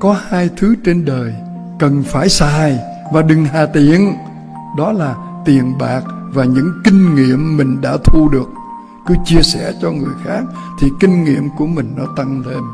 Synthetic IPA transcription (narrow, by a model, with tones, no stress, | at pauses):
kɔ˨˦haː˧jt̪ʰɨ˨˦t͡ɕe˧nɗəː˨˩j | kə˨˩nfaː˧˩jsaː˨˩j | vaː˨˩ɗɨ˨˩ŋɦaː˨˩t̪i˨˩ən | ɗɔ˨˦laː˨˩ | t̪i˨˩ənɓaː˨˩k̚ | vaː˨˩ɲɨ̰˧˥ŋkï˧ŋ̟ŋḭ˧˨əmːï˨˩ŋ̟ɗa̰ː˧˥t̪ʰu˧ɗɨ˨˩ək̚ | kɨ˨˦t͡ɕi˧əsɛ̰˧˩t͡ɕɔ˧ŋɨ˨˩əjxaː˦˥k̚ | t̪ʰi˨˩kï˧ŋ̟ŋḭ˧˨əmku˧˩əmï˨˩ŋ̟nɔ˨˦t̪a˧ŋt̪ʰe˧m